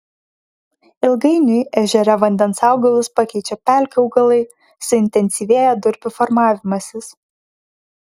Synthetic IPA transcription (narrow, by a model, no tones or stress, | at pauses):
ɪlˠɡɐɪnʲʊjɛʒʲɛɾʲɛʋɐnʲd̪ʲɛnsɑˑʊɡɐlˠʊspɑkʲɛɪt͡ʃʲɛpʲæˑlʲkʲɐʊɡɐlˠɐɪ | sʊɪnʲt̪ʲɛnʲsʲiʋʲeːjɛd̪ʊɾʲpʲʊfɔɾmɑːʋʲɪmɐsʲɪs